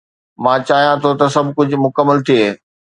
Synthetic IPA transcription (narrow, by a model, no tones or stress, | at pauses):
mãːt͡ɕaːɦijãt̪ʰot̪ɐsɐbʱkʊd͡ʑʱʊ̆mʊkəmːəlt̪ʰieː